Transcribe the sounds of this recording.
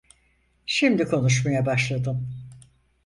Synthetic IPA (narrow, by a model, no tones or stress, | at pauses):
ʃimd̪ikʰo̞nuʃ̬majabaʃlˠad̪ɯm